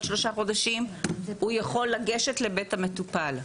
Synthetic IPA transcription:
ʃlo̞ʃaχo̞d̪aʃimhujaχo̞lːaɡeʃetle̞betame̞t̪upal

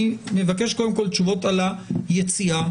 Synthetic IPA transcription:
me̞vake̞ʃkod̪emko̞lt͡ʃuvo̞talajet͡sia

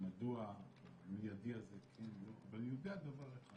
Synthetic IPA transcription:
mad̪ua | mijad̪iazekʰenloa̰valjud̪ead̪avaʁeχa

